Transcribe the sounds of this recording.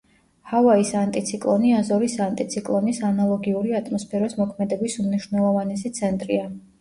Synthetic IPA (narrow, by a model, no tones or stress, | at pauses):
havaisant̪ʼit̪sʰikʼlˠɔniazɔɾisant̪ʼit̪sʰikʼlˠɔnisanalˠɔɡiuɾiat̪ʼmɔspʰɛɾɔsmɔkʰmɛd̪ɛbisumniʃwnɛlˠɔvanɛsit̪sʰɛnt̪ʼɾia